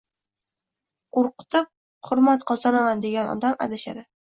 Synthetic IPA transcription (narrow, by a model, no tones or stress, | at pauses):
qoɾqɨ̥t̪ʰɪp̚ | hʊɾmat̪qʰɒzanɑmand̪eɡʲanɒ̰d̪ama̰d̪aʃa̰d̪ɪ